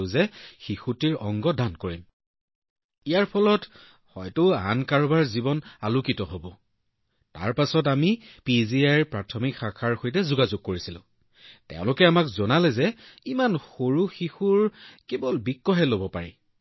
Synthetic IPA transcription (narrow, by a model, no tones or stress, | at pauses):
ʊ̃zɛxixutiɹɔŋɡɔdankoɹim | ijaɹpʰɔlɔt | xɔjtʊa̰nkaɹbaɹzibɔnalukitɔɦobɔ | ta̰ɹpasɔt̬amipiziajɹpɹatʰɔmikxakʰaɹxojt̬ɛzuɡazuɡ̚koɹisilʊ̰̃ | tɛ̰ʊ̃lʊkɛamakzɔnalɛzɛimanxoɹuxixuɹkebɔlbikːɔɦɛlobɔpaɹḭ